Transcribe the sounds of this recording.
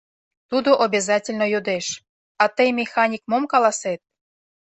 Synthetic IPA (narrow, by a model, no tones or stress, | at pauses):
t̪ud̪oʔobʲezɑtʲelʲnojod̪eʃ | ɑt̪əjmʲexɑnʲikmomkɑlɑset̪̚